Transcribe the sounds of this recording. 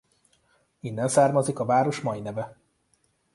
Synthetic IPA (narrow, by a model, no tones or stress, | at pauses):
inːɛnsaːrmɒzikɒvaːɾo̞ʃmɒjinɛvɛ